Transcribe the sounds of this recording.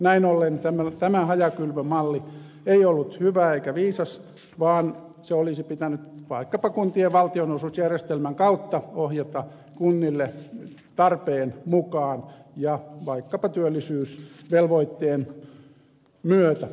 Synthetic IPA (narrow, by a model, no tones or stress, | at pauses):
næinolːent̪æmæt̪æmæhɑjɑkylʋømɑlːi | eiolːut̪hyʋæeikæʋiːsɑs | ʋɑːn | seolisipit̪ænyt̪ʋɑikːɑpɑkunt̪ieʋʋɑlt̪ionosusjærjest̪elmæŋkɑut̪ːɑohjet̪ɑ | kunːilːe | t̪ɑrpeːnmukɑːnjɑʋɑikːɑpɑt̪yølːisyːsʋelʋoit̪ːeːn | myøt̪æ